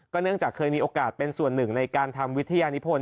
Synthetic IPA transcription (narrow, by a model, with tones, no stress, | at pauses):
kɔː˥˩nɯ˥˩əŋt͡ɕaː˨˩kʰːɤː˧jmiː˧ʔoː˧kaː˨˩t̪̚pe˧nsu˨˩ənːɯ˨˩ŋna˧jkaː˧nt̪ʰa˧mwi˦˥t̪ʰːa˧jaː˧nu˦˥pʰoː˧n